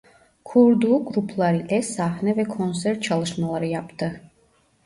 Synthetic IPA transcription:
kʰuɾd̪uːɡɾupʰlˠaɾid̪ɛsahnɛvɛkʰɔns̬ɛɾt̪̚t͡ʃʰalˠɯʃmalˠaɾɯjapt̪ʰɯ

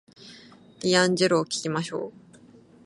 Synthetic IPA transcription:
dʲijãɲ̟d͡ʑeɾoːkʲi̥kʲimaɕo̞ː

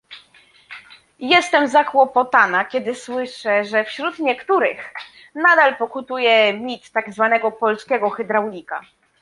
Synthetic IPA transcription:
jɛst̪ɛmzakwɔpɔt̪anakʲɛd̪ɘswɘʂɛʐɛfɕɾut̪ɲɛkt̪uɾɘ̰x | nad̪alpɔkut̪ujɛmʲit̪ːaɡzvanɛɡɔpɔlskʲɛɡɔxɛd̪ɾawlʲika̰

